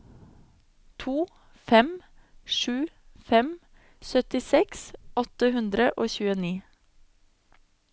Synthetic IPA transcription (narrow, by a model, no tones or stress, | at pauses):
t̪ʰuː | fɛm | ʃʉː | fɛm | sœt̪ɪsɛksɔt̪əhʉnd̪ɾəʔoːçʉːəniː